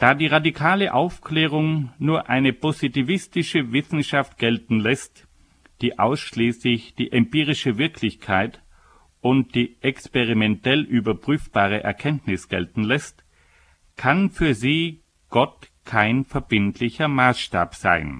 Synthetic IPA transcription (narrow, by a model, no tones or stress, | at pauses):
d̥aːdiːʁadikʰaːləʔaʊfklɛːʁ̞ʊŋnuːɐʔaɪnəpozitivɪstɪʃəvɪsn̩ʃaft̚ɡ̥ɛltn̩lɛst | d̥iːʔaʊsʃliːslɪçd̥iːʔɛmpiːʁ̞ɪʃəvɪɐkʰlɪçkʰaɪt | ʊnt̚d̥iːʔɛkspeʁimɛntɛlʔyːbɐpʁ̥yːfb̥aːʁ̞əʔɛ̰ɐkʰɛntnɪsɡ̥ɛ̰ltn̩lɛst | kʰanfyːɐziː | ɡ̥ɔtkʰaɪnfɛɐbɪntʰlɪçɐmaːsʃta̰ːpz̥a̰ɪn